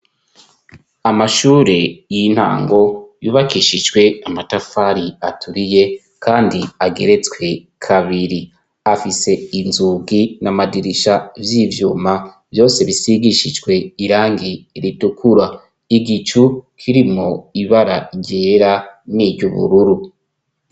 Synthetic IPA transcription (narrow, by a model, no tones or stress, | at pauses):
amaʃuːɾe̞jin̥ha̰ːŋɡo̞juːβakiʃid͡ʒɡwe̞amatafaɾiatʰuɾije̞ | kʰaːndiaɡe̞̰ɾe̞t͡swe̞ | kʰaβiɾi | afise̞inzuɡinamadiɾiʃavjiːvjuːma | vjo̞ːse̞βisiɡiʃid͡ʒɡwe̞iɾaːŋɡiɾitukʰuɾa | iɡit͡ʃukʰiɾimŋo̞iβaɾaɟe̞ːɾaniːɟuβṵɾuɾu